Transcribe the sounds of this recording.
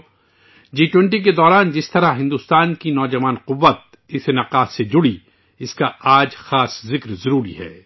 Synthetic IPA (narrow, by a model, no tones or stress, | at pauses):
d͡ʒiːʈwɛ̃ɳʈik̬ed̪ɔːɾaːnd͡ʒɪst̪ɐɾaɦɪ̃nd̪ust̪aːnkinɔːd͡ʒɐʋaːnqʊʋːət̪̚ | ɪsenɐqaːsed͡ʒʊɽi | ɪskaaːd͡ʒxaːszɪkɾzɐɾuːɾḭɦɛ̰ː